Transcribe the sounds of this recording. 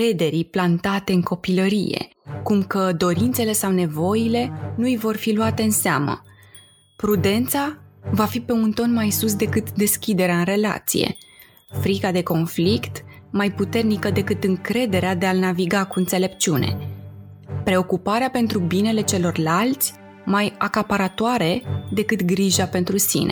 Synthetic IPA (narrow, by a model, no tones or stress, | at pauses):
kɾe̞d̪e̞ɾiplant̪at̪e̞ɨŋko̞piləɾije̞̰kumkəd̪o̞ɾint̪se̞le̞sawne̞vo̞jile̞nuijvo̞rfiluat̪e̞ɨnsea̰mə̰ | pɾud̪e̞nt̪savafipe̞unt̪o̞nmajsusd̪e̞kɨt̪d̪e̞skʲid̪e̞ɾeaɨnre̞la̰t̪sḭje̞̰ | fɾikad̪e̞ko̞nflikt̪majput̪e̞rnikəd̪e̞kɨt̪ɨŋkɾe̞d̪e̞ɾead̪e̞alnaviɡakuɨnt̪se̞le̞p̚t͡ʃiune̞̰ | pɾe̞o̞kupaɾeape̞nt̪ɾubine̞le̞t͡ʃe̞lo̞rlalt̪sʲ | majakapaɾat̪oaɾe̞d̪e̞kɨt̪ɡɾiʒape̞nt̪ɾusḭne̞